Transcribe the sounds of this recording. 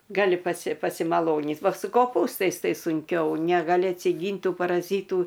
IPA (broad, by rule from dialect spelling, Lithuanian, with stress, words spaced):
ɡɐˈlʲɪ ˈpɑːsʲɪ pɐsʲɪmɐˈlˠoːnʲiːt ˈʋɐ sʊ koːˈpuːstɐɪs ˈtɐɪ sʊŋʲˈkʲɛʊ nʲɛɡɐˈlʲɪ ɐtʲsʲɪˈɡʲiːnʲtʲ ˈtuː pɐrɐˈzʲiːtuː